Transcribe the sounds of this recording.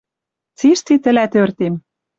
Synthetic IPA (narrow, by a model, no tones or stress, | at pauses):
t͡siʃt̪it̪ɘ̆læt̪ørt̪em